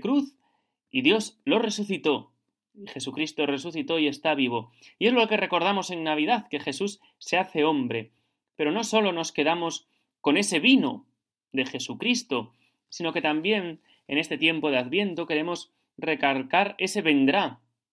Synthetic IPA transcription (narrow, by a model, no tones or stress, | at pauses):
kɾuθ | iðjo̞zlo̞re̞suθit̪o̞ | ixe̞sukɾist̪o̞re̞s̬uθit̪o̞ie̞st̪aβ̞iβ̞o̞ | ie̞zlo̞ke̞re̞ko̞ɾð̞amo̞se̞ŋnaβ̞ið̞aθke̞xe̞sus | se̞aθe̞o̞mbɾe̞ | pe̞ɾo̞no̞so̞lo̞no̞ske̞ðamo̞s | ko̞ne̞se̞β̞ino̞ | ðe̞xe̞sukɾist̪o̞ | sino̞ke̞t̪ambje̞n | e̞ne̞st̪e̞t̪je̞mpo̞ð̞eaðβje̞nt̪o̞ke̞ɾe̞mo̞s | re̞kalkaɾe̞se̞βe̞nd̪ɾa